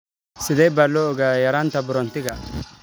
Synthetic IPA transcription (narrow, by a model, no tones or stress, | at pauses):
sɪd̪ɛbɐlːɔɔɡajɐɾant̪ɐbʊɾɔnt̪ɪɡa